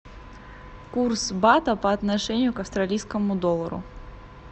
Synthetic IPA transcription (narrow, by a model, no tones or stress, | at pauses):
kursbat̪əpɐɐt̪nɐʂɛnʲɪjʊkɐfst̪ɾɐlʲijskəmʊd̪olˠəɾʊ̰